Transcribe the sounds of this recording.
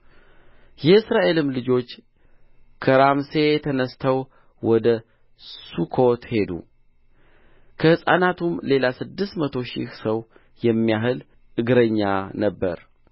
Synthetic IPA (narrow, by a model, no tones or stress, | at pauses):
jɛɨsɾaʔe̞lɨmlɨd͡ʒo̞t͡ʃː | kʰəɾamse̞jɛt̪ʰənəst̪ʰəw | wɔd̪ə | sukʰo̞t̪he̞d̪ṵ | kʰəhɨsʼa̰nat̪ʰumle̞lasɨd̪ːɨst̪mət̪ʰo̞ʃḭhsəw | jɛmːijaɦɨl | ʔɨɡɾəɲːanəbːəɾ